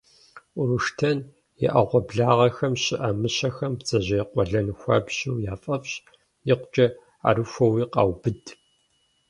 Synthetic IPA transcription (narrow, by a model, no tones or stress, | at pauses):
ʔʊɾuʂtʰɐn | jɪ̰ʔɐʁʷɔbɮaːʁɐxɐmɕɪʔɐmɨɕɐxɐmbt͡sɐʑɐjqʷɔɮɐnxʷɐ̰bɕuwjaːfʼɐfɕ | jɪqʷʊt͡ʃʼɐ | a̰ɾɨxʷɐwiːqɑ̰ːwbɨd